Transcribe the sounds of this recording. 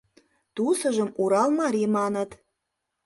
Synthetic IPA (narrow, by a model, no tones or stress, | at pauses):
t̪usə̆ʒə̆muɾɑlmɑɾimɑnət̪